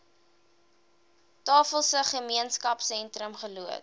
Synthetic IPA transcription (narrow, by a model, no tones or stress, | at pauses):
tɑːfəlˠsəχəmiənskɐpsɛntɾəmχəluət